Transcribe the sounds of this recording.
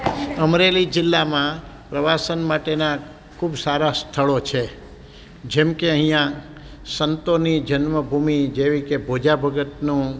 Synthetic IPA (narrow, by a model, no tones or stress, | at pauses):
əmɾelid͡ʒɪlːamãpɾəʋasənmaʈena | kʰubsaɾast̪ʰəɭot͡ʃʰe | d͡ʒemkeəɦĩjã | sənt̪onid͡ʒənməbʱumid͡ʒeʋikebʱod͡ʒabʱəɡət̪nũ